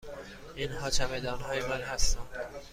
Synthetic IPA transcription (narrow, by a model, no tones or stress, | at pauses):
inhɒːt͡ʃʰæmed̪ɒːnɦɒːjemænɦæst̪ænd̪